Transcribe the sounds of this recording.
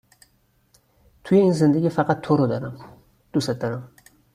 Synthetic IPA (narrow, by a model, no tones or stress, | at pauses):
t̪ʰʊjaɪnsɪnd̪ɪɡʲɪfɑqʰɑt̪ʰːoɾod̪aɾam | d̪̥ʊsat̪ːaɾam